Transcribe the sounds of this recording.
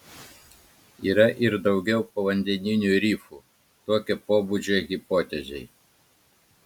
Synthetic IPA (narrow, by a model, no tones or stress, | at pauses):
iːɾɐʔɪɾd̪ɐʊɡʲɛʊpoːʋɐnʲd̪ʲɛnʲɪnʲuɾʲiːfu | t̪oːkʲɛpoːbud͡ʒʲeɣʲipoːt̪ʲɛzʲɛj